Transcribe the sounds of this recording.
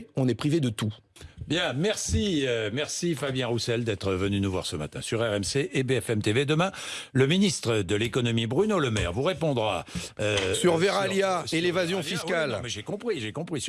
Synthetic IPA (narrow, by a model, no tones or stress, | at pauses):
ɔ̃nɛpχived̪ət̪u | bjɛ̃mɛʁsiømɛʁsifabjɛ̃ʁusɛld̪ɛt̪χəvənynuvwa̰ʁsəma̰t̪ɛ̰̃syʁɛʁɛmseʔːbeɛfɛmt̪eved̪əmɛ̃ləminist̪χəd̪əlekɔnɔmibʁynoləmɛ̰ʁvuʁepɔ̃d̪ʁaøssyʁveʁaljaelevazjɔ̃fiskalmɛʒekɔ̃pχiʒekɔ̃pχis